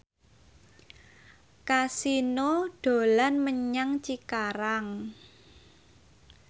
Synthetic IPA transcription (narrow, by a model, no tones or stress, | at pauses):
kasinoɖ̥o̤lanməɲaŋt͡ʃikaɾaŋ